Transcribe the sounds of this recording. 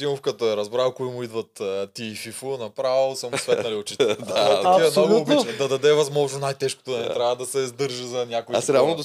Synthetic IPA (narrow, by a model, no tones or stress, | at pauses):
imʊfkɐt̪əɛɾɐzbɾavˠkoimʊid̪vɐt̪ːt̪iːfifʊnɐpɾavlˠsɐmsvɛt̪nɐliot͡ʃit̪iɛmnoɡbit͡ʃd̪ɐd̪ɐd̪ɛvɐzmɔʒnonajt̪ɛʃko̥t̪ʊnɐlit̪ɾjavɐd̪ɐsɛzd̪ɤɾʒəzɐnʲakoisɾʲɛalˠnod̪o